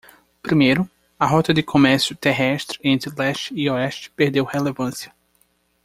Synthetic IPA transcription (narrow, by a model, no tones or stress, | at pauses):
pɾimejɾʊ | ɐɦɔt̪ɐd̪ɪkʰomɛɾsjʊt̪eɦɛʃt̪ɾɪẽnt̪ɾɪlɛʃt͡ʃioɛʃt͡ʃɪ̥peɾd̪ewhelevɐ̃sjɐ